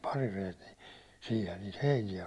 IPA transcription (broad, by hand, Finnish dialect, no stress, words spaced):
pɑrirejet ni siːhæn niːt heinijæ